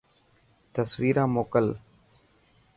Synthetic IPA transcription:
t̪əsʋiːɾãːmoːkəl

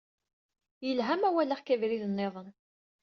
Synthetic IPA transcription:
jəlɦæmæwælæχkævɾiðənːeðˤən

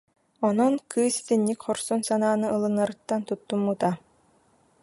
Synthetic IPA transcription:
ɔnɔnkʰɯːsi̥t̪inːikχɔɾsɔnsanaːnɯʔɯlˠɯnːaɾɯt̪ːant̪ut̪ːumːut̪a

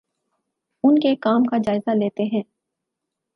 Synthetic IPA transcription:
ʊnkekaːmkad͡ʒaːɪzaleːt̪eɦɛ̃ː

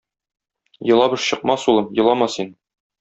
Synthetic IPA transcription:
jɤ̆lˠɑbɤ̆ʃɕɤ̆q̚mɑsulˠɤmjɤ̆lˠɑmɑsin

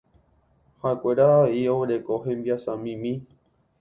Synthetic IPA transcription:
haekʷeɾaaioɾekoɦẽmbiasãmĩmĩ

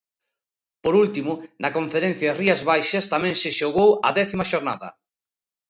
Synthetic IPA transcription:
poɾult̪imʊnɐkoɱfeɾɛn̟θjɐriɐzβajʃɐst̪amɛ̃ŋsɪʃoɣowɐ̰ðɛθimɐʃoɾna̰ðɐ̰

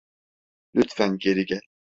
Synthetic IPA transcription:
lyt̪fænɡeɾiɡɛ

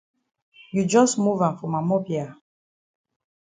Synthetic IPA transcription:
jud͡ʒɔsmuvãnfɔmamɔpja

